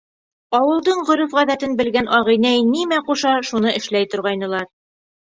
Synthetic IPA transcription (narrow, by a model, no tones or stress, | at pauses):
ɑwɤ̆lˠd̪ɤɴʁɵ̆ɾufʁæðæt̪ɘnbɘ̆lɡænʔɒʁɤ̆jnæjnimæquʃɑʃunɤɘ̆ʃlæjt̪ŏɾʁɑjnɤ̆lˠɑɾ